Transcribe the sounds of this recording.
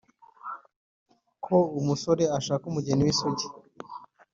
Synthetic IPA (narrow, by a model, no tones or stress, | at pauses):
kʰoumuso̞ɾe̞aʃaːakumuɟeniwisoɟi̥